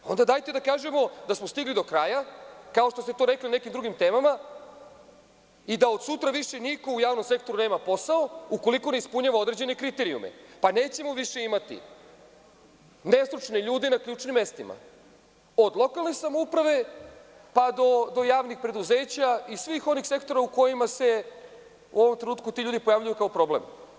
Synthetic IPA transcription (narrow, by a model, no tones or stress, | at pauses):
o̞nd̪ad̪aːjt̪e̞d̪akaːʒe̞mo̞d̪asmo̞st̪iɡlid̪o̞kɾaːjakaoʃt̪ost̪e̞t̪o̞ːɾe̞kline̞kimd̪ɾuɡimt̪e̞ːmama | id̪aod̪sut̪ɾaʋiʃe̞niko̞ujaːvʋno̞mse̞k̚t̪o̞ɾune̞ːmapo̞saouko̞liko̞ne̞ispuɲaːʋao̞d̪ɾe̞d͡ʑe̞ne̞kɾit̪e̞ɾiṵmḛpane̞ːt͡ɕe̞mo̞ʋiʃe̞imat̪ḭ | ne̞st̪ɾut͡ʃneʎuːd̪enakʎʲuːt͡ʃnimːe̞st̪ima̰ | o̞d̪lˠo̞kalnesamo̞upɾaʋe̞ | pad̪o̞d̪o̞jaːʋnixpɾe̞d̪uzeːt͡ɕaisʋixo̞nixse̞kt̪o̞ɾauko̞jimase̞ | ṵo̞ʋo̞mt̪ɾenuːt̪kut̪iʎuːd̪ipo̞jaʋʎujukao̞pɾo̞blḛm